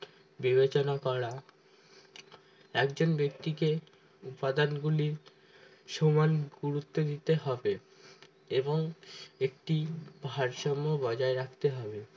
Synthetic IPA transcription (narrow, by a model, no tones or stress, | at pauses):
bibet͡ɕonakɔɾa | ɛkd͡ʑonbek̚t̪ike | upad̪anɡuliɾ | ʃomanɡuɾut̪ːod̪it̪eɦɔbe | eboŋek̚ʈib̥ʱaɾʃɔmːobɔd͡ʑaeɾakʰt̪eɦɔbe